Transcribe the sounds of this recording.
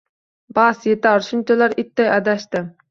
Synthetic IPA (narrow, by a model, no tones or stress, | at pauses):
bɑsjet̪ɑɾʃunt͡ʃʰɛlɑɾɪt̪ːɛjæd̪æʃt̪ɪ